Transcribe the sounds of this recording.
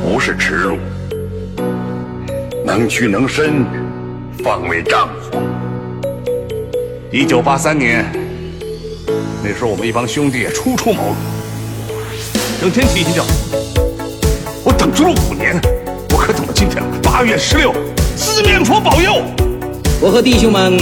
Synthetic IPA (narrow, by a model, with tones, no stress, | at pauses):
pu˧˥ʂɻ̩˥˩ʈ͡ʂʰɻ̩˧˥ɻṵ˥˩ | na˧˥ŋt͡ɕʰy˥˩nɤ˧˥ŋʂə˥n˧ | fɑ˥˧˩ŋwe˧˥ɪʈ͡ʂɑ˥˩ŋxwɔ̰˧˥˦ | i˥t͡ɕjo˨˩ʊpa˥sa˥nnjɛ˧˥n | ne˥˩ʂɻ̩˧˥˧wɔ˨˩mə˦ni˥˩fɑ˥ŋɕjʊ˥ŋt̪i˥˩jɛ̰˨˩ʈ͡ʂʰu˥ʈ͡ʂʰu˥˩mo̰˧˥ʊl | nɤ˧˥ŋt̪ʰjɛ˥nt͡ɕ̪ʰi˧˥˩i˧˥t͡ɕjɑ˥˩ʊ | wɔ˧˥t̪ɤ˨˩ŋʈ͡ʂu˥lu˥˩u˨˩njɛ˧˥n | wɔ˨˧˥kʰɤ˧˥t͡sə˨˩nmə˦t͡ɕi˥˩nʈ͡ʂʰə̰˧˥ŋpa˥ɥɛ˥˩ʂɻ̩˧˥ljo˥˩ʊsɹ̩˥˩mi˧˥ŋʈ͡ʂʰwɔ˥pɑ˨˩ʊjo˥˩ʊ | wɔ˨˩xɤ˧˥t̪i˥˩ɕjʊ˥ŋmə˧˥n